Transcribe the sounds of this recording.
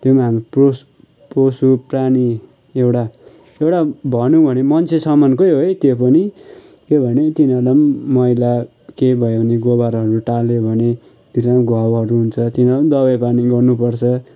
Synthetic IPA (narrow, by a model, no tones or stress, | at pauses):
t̪jomaɦamripros | prosuprani | ewʈa | ewʈabʱʌnũbʱʌnemʌnt͡sʰesʌmʌnkojɦojt̪jopʌni | kebʱʌnet̪inʌdʌmːʌjla | kebʱʌebʱʌneɡobaɾɦʌɾuʈalebʱʌne | t̪inʌɾʌmɡʱʌwɦʌɾuɦunt͡sʰʌt̪inʌʌmd̪ʌβʌjpaniɡʌrnupʌrt͡sʰʌ